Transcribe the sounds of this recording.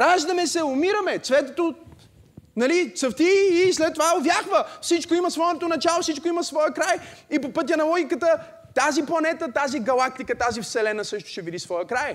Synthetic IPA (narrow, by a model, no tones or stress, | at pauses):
ɾaʒd̪ɐmɛsɛʊmiɾɐmɛt̪svɛt̪ot̪o | nɐlit̪səft̪iːslɛt̪ːovaɛovʲjaxvəfsit͡ʃkoimɐsvɔot̪onɐt͡ʃalˠosit͡ʃkoimɐsvɔjɛkɾajipopɤt̪ʲɐnɐlˠɔɡʲikət̪ə | t̪aziplˠɐnɛt̪ət̪aziɡɐlˠak̚t̪ikət̪azifsɛlɛnəsɤʃt̪ʊ̥ʃɛvid̪isvɔjəkɾaj